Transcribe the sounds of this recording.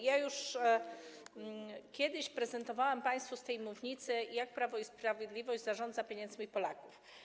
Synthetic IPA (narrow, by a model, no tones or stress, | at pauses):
jajuʂ | kʲɛd̪ɘɕpɾɛzɛnt̪ɔvawɛmpaj̃st̪fust̪ɛjmuvɲit̪sɘjak̚pɾavɔispɾavʲjɛd̪lʲivɔʑd͡ʑzaʐɔnd̪zapʲjeɲɛnd̪zmʲipɔlakuf